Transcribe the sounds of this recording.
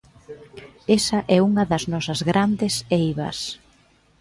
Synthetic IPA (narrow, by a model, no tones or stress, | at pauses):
esɐʔɛuŋɐðɐznɔsɐzɣɾand̪ɪsejβɐ̰s